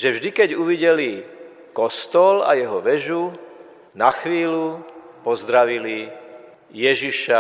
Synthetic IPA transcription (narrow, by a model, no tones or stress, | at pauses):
ʒɛvʒd̪ikɛɟuʋiɟɛli | kɔst̪ɔla̰jɛɦɔʋɛʒu | naxʋiːlupɔzd̪ɾaʋili | jɛʒiʃa